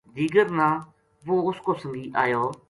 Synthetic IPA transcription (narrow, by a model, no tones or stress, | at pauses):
d̪iːɡəɾnãː | ʋoːʊskʊsəŋɡiːʔaːjoː